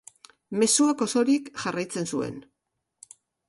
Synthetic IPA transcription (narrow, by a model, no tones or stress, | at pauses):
me̞suako̞so̞ɾikʝarajt͡se̞nsue̞̰n